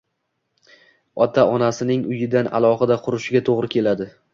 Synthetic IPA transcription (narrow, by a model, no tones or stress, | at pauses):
ɒt̪ʰaʔɒnasɪnɪŋʊjɪd̪ana̰lˠɒχɨd̪aqʰʊɾɪʃɪɡʲat̪ʰoʁɾɪkʲʰe̞lad̪ɪ